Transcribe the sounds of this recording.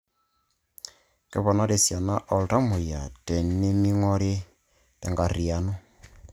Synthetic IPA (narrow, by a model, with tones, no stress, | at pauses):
kɛ˦βɔ˨na˦ɾe˨sja˨na˦ʔɔ˨lta˦mo˨ja˨tɛ˨ne˦mi˦ŋɔ˦ɾe˦ | tɛ̰˨ŋɡa˨ɾi˨a˨nɔ˦